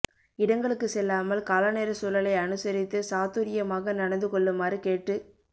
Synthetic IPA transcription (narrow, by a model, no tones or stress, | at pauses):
ɪɽɐŋɡɐɭɯkːɯsɛlːaːmɐlkaːlɐneːɾɐsuːlɐlɐɪɐnɯsɐɾɪt̪ːɯsaːt̪uɾɪjɐmaːɣɐnɐɽɐnd̪ɯkɔɭːɯmaːɾikeːʈrɯ